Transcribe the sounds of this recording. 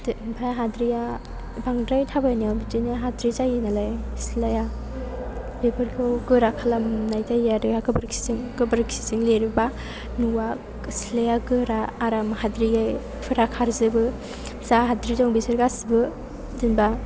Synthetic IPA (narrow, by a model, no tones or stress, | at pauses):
dpʰajɦadɾija | baŋdɾajtʰabajniawbitɯnaɦadɾizajinalajsilaja | lepʰɯɾkʰɯwɡɯɾakʰalamnajtʰajadɯjakɯbɯɾkʰi̥ziŋɡɯbɯɾksi̥ziŋleɾiba | nuwa | silajaɡɯɾaːɾamhadɾiaj | pʰɯɾakʰaɾzɯbɯ | saɦadɾizɔŋbisɯɾɡasibɯ | dɯnba